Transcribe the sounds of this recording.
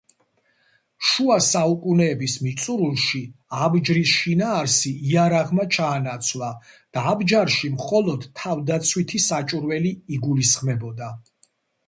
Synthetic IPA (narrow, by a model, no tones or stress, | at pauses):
ʃuasaukʼunɛːbismit̪sʼuɾulˠʃiabd͡ʒɾisʃinaːɾsiiaɾaʁmat͡ʃʰaːnat̪sʰwlˠad̪̥aːbd͡ʒaɾʃimχɔlˠɔd̪̥ʰːavd̪at̪sʰwit̪ʰisat͡ʃʼuɾvɛliːɡulisχmɛbɔd̪a